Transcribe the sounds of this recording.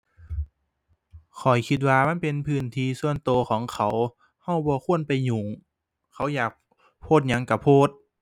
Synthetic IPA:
kʰɔ˨˩jkʰi˧t̪̚waː˧ma˧˥˨npe˨npʰɯː˧˩˨nt̪ʰiː˧su˧˨ənt̪oː˧kʰɔː˨˦ŋkʰa˨˦w | ha˧˩˨wbɔː˧kʰu˧˥ənpa˨jɲuː˨˩ŋ | kʰa˧˦˥wjaː˨˩k̚ | pʰoː˧˥˩t̪̚ɲa˧˥ŋka˧˩pʰoː˧˥˩t̪̚

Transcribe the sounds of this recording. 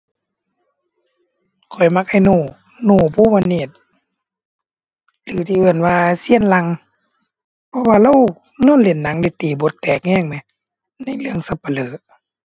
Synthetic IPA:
kʰɔ˨˩jma˧k̚ʔa˧˩jnuː˧˩ | nuː˧˩˨pʰuː˧˨ma˧niː˧˩t̪̚ | lɯː˨˦t̪ʰiː˧˨ʔɯː˧˩ənwaː˧si˧˥˨ənla˧ŋ | pʰɔ˧waː˧la˧˥˨w | nɔː˧˥˨nle˨˧˦nːa˨˦ŋdi˧˦t̪iː˨˩bo˨˦t̪ːɛː˨˩k̚ŋɛː˧˥˨ŋmɛ˧˦ | na˧˥˨jlɯ˧˨əŋsa˧˦pːa˧˨lɤː˨˦

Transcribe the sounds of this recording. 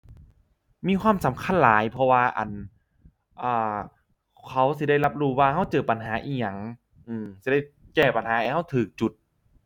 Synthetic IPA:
miː˧˥˨kʰwaː˧˥˨msa˨˦mkʰa˧˥˨nlaː˨˩˦jpʰɔ˧waː˧ʔa̰˨˩n | ʔɤː˧˩ | kʰa˦˥ws̬i˧˦da˥˩jla˦˧˥p̚ɾuː˧˩waː˧ha˧˥˩wt͡ɕɤː˨˩pa˨nɦaː˩˦ʔiː˧˩ɲa˧˩ŋ | ʔɯː˧˩msi˧˦da˥˩jkɛː˧˩pa˨nhaː˨˦ʔa˧˦ha˥˩wt̪ʰɯː˨˩k̚t͡ɕu˨˩t̪̚

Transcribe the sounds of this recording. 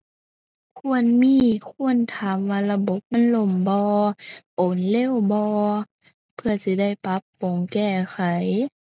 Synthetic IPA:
kʰu˧˨ənmiː˧˨kʰu˧˨ənt̪ʰaː˨˦mʋaː˧la˧bo˧˦p̚ma˧˥˨nlo˧˩mbɔː˧ʔo˨˦nle˧˥˨wbɔː˧ | pʰɯ˧ɐsi˧˦da˥˩jpa˧˦˥pːo˨˩˦ŋkɛː˧˩xʰa˨˦j

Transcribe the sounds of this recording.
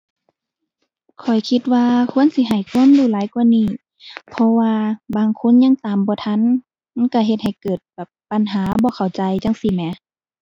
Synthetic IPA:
kʰɔ˨˩jkʰi˧t̪̚waː˧kʰu˧˥ə˨nsi˧˦ɦa˨˩jkʰu˧˥˨mduː˧˨laː˨˦jkwa˧˨niː˧˩ | pʰɔ˧waː˧baː˧˨ŋkʰo˧˥˨nɲa˧˥ŋt̪aː˨˩mbɔː˧˦t̪ʰa˧˥˨n | ma˧˨nka˧˩ɦe˧t̪̚ha˨˩jkɤː˨˩t̪̚bɛ˨˩pːa˧˨nɦaː˨˦bɔː˧˦kʰa˨˩wt͡ɕa˧jt͡ɕa˧˥˨ŋsi˧˨mɛ˧˦

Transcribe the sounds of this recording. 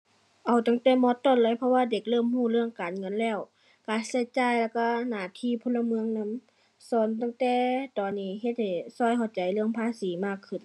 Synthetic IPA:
ʔa˨˩wt̪a˧˩ŋt̪ɛː˧˩mɔː˧˦t̪ːɔː˧˩˨nlaː˧˥˨jpʰɔ˧waː˧de˧˩k̚lɤː˧˥˨mhuː˧˩lɯ˧əŋkaː˨nŋɤ˧˨nlɛː˧˩˨w | kaː˨˧˩sa˧˩jt͡ɕaː˧˨jla˧˩wka˧˩naː˧˩t̪ʰiː˧˥˨pʰo˧˥nla˧mɯ˧əŋna˧˥˨m | sɔː˧˦nt̪a˧˥˨ŋt̪ɛː˧˦t̪ɔː˨˩nːiː˧˩ɦe˧t̪̚ha˧˩jsɔː˧˨jhɔ˧˩wt͡ɕa˨˩jlɯ˧əŋpʰaː˧˥˨siː˨˦maː˧˩kʰːɯ˧˩n

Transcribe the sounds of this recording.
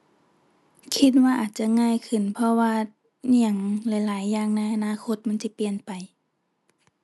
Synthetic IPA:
kʰi˧˥t̪̚waː˧ʔaː˨˩t̪̚t͡ɕa˧˨ŋaː˧˨jkʰɯ˨˩˨npʰɔ˧waː˧ | ni˧˩ə˨ŋlɛ˧˩jlaː˩˦jːaː˧˩ŋna˧˩jʔa˧naː˧˥˨kʰo˧˥t̪̚ma˧˥˨nsi˧˦pi˨ənpa˨˩j

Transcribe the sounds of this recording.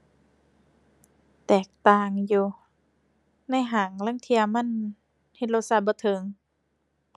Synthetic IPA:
t̪ɛː˨˩k̚t̪aː˧˨ŋjuː˨˧ | na˧˥˨jɦaː˨˩ŋlaː˧˥˨ŋt̪ʰi˧˥ɐma˧˥˨n | he˧t̪̚lo˧t̪̚sa˧˥bɔː˧˦t̪ʰɤ˧˦ŋ

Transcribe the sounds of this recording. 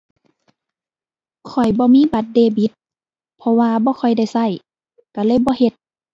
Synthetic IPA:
kʰɔ˨˩jbɔː˧˦miː˧˥˨ba˧˦t̪̚deː˧˩bi˧˦t̪̚ | pʰɔ˧waː˧bɔː˧˦kʰɔ˧˩jda˧˥˩jsa˧˥˩j | ka˧˩lɤː˧˨jbɔː˧˦he˧˦t̪̚

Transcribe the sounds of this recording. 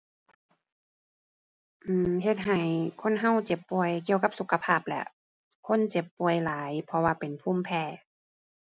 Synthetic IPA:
ʔɯː˧˩ɦe˧˩t̪̚ɦa˨˩jkʰo˧˥˨nɦa˧˥˨wt͡ɕe˧˦pːu˨˩əjki˧˨əwka˧˦p̚su˧˩kʰːa˧pʰaː˧˥˩p̚lɛ̰˧˩ʔ | kʰo˧˥˨nt͡ɕe˧˦pːu˧˩əjlaː˨˦jpʰɔ˧waː˧˩pe˨npʰuː˧˥˨mpʰɛː˧˩

